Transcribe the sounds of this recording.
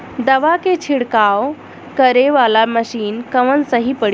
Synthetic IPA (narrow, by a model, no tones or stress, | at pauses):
d̪əʋaket͡ɕʰiɽkaw | kəɾeʋalaməɕiːnkəʋənsəɦipəɽ